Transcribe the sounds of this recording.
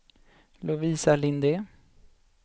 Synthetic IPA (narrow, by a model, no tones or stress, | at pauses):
lʊviːsalɪnd̪e